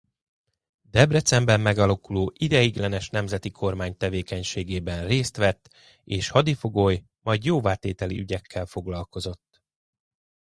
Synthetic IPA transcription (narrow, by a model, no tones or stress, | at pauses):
d̪ɛbɾɛt̪sɛmbɛmːɛɡɒlɒkuloːʔid̪ɛjiɡlɛnɛʃnɛmzɛt̪ikʰo̞rmaːɲt̪ɛveːkɛɲʃeːɡeːbɛnreːst̪ʋɛt̪ː | eːʃhɒd̪ifo̞ɡoj | mɒjd̪joːvaːt̪eːt̪ɛlḭyɟɛkʰːɛlfo̞ɡlɒlko̞zo̞t̪ː